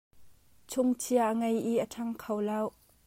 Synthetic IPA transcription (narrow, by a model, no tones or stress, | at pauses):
t͡sʰʊŋt͡sʰiaʔəŋɐjiʔətʰɐŋkʰɐwlɐw